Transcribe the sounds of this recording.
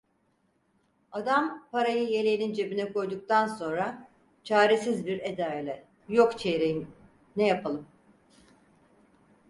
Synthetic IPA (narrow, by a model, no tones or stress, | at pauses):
ad̪ampaɾajɯje̞lʲenind͡ʒe̞binɛkʰo̞jd̪uk̚t̪ʰanso̞nɾa | t͡ʃʰaːɾesizbiɾe̞d̪ajlʲɛ | jokt͡ʃʰeɾejim | nɛjapʰalˠɯm